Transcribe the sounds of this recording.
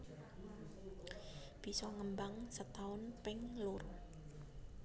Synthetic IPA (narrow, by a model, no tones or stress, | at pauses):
b̥i̤sɔŋəmbaŋsət̪aʊnpɪŋlʊr